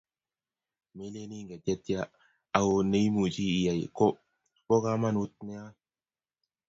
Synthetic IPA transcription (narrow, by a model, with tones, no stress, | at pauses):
me˦le˦ni˦ŋɡe˨te˦t̪ja˦ | a˨wne˦jmu˨t͡ʃiː˦˨ja˨jko˦ | ko˦ka˦ma˦nu˦t̪̚ne˦a˦